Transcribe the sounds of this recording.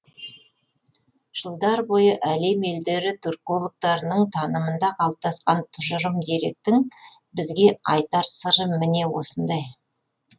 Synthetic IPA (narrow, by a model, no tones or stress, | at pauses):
ʒ̥əlˠd̪ɑɾbo̞jəʔæle̞me̞ld̪e̞ɾɪt̪ʰyrko̞lˠək̚t̪ɑɾənəɴt̪ʰɑnəmənd̪ɑqʰɑlˠəp̚t̪ɑsqɑnt̪ʰʊʒəʒəmd̪e̞ɾe̞k̚t̪ɪŋbɪzɡʲe̞ɑ̰jt̪ɑɾsəɾəmɪne̞wo̞̰sənd̪ɑj